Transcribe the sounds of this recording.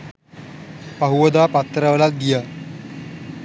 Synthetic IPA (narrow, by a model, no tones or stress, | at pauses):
paɦuʋəd̪aːpat̪ːəɾəʋəlat̪̚ɡija